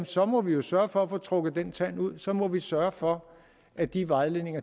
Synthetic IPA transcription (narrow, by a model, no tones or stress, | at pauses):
sɒ̽mɒ̽ʋijo̝sɶːɐfɒ̽æfoːt͡sʰʁɔ̽ɡ̥ð̩ˠd̥ent͡sʰæn̰uð̰ˠsɒ̽mɒ̽ʋisɶɐfɒ̽ | ʔæd̥iʋɑ̈ɪle̝ne̝ŋɐ